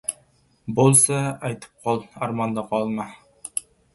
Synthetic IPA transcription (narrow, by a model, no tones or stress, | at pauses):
bolˠsɑɑjt̪ʰɨ̥p̚qʰɑlˠɑɾmɑnd̪ɑqʰɑlˠmɑ